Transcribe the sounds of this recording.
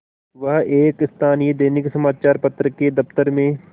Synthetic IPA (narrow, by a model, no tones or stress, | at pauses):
ʋɐɦeːkɪst̪ʰaːnied̪eːnɪksɐmaːt͡ʃaːɾpɐt̪ɾəked̪ɐft̪əɾmẽ